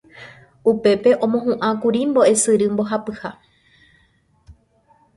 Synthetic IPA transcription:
upe̞pe̞ʔõ̞mõɦũʔãkuɾimbo̞e̞sɨɾɨmbo̞ɦapɨha

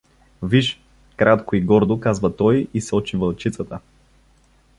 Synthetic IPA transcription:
viʃ | kɾat̪koiɡɔɾd̪okazvət̪ɔjisɔt͡ʃivəlˠt͡ʃit̪sət̪ə

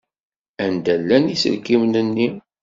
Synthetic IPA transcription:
ænd̪ælːænisə̰lkimnənːi

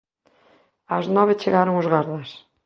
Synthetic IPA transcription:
aznɔβet͡ʃeɣaɾoŋozɣaɾðas

